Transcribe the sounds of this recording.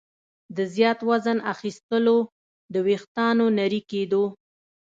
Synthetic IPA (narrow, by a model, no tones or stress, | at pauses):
d̪əzjɑt̪wazənaxist̪əlo | d̪əwext̪ɑnonaɾiked̪o